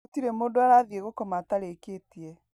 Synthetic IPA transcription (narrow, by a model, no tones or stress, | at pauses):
tiɾemoːdaɾaðieɣokɔmataɾekeːtiɛ